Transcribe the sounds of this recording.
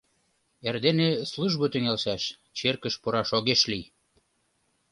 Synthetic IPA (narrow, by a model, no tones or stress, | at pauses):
erd̪enesluʒβot̪ɘ̆ŋælʃæʃ | t͡ɕerkə̆ʃpuɾɑʃoɣeʃlij